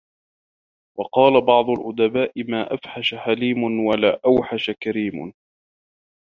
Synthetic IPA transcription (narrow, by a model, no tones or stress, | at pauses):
wɑqɑːlabɑʕd̪ˤʊlʔʊd̪abaːʔɪmaːʔafħaʃaħaliːmʊnwalaːʔawħaʃakaɾiːmʊ̰